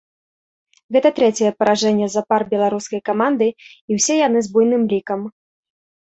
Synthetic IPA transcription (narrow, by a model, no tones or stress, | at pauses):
ɣɛt̪ɐt̪ɾɛt͡sʲɛjɛpɐɾaʐɛnʲːɛzɐparbʲɛlˠaɾuskɐjkamand̪ɨiwsʲɛjanɨzbujnɨmlʲikɐm